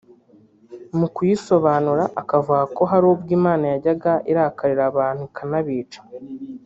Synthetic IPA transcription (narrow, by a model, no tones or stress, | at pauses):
mukujiso̞βaːnuɾaʔakavuɡako̞ɦaɾubɡiːmaːnajaɟaɡaʔiɾakaɾiɾaβaːn̥hukʰanaβiːt͡ʃḁ